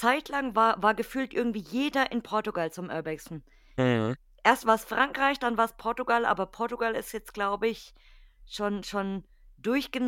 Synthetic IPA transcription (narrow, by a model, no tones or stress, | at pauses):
t͡saɪtʰlaŋvaːɐvaːɐɡəfyːltʔɪɐɡŋ̩tv̥iːjeːdɐʔɪnpʰɔɐtuɡalt͡sʊmʔœɐbɛksn̩ | ʔeːɐstv̥aːɐsfʁ̥aŋkʁ̥aɪçd̥anvaːɐspʰɔɐtuɡalʔa̰ːbɐpʰɔɐtuɡalɪ̰stjɛt͡stɡ̥laʊbəɪç | ʃoːnʃoːn | dʊɐçɡ̥ən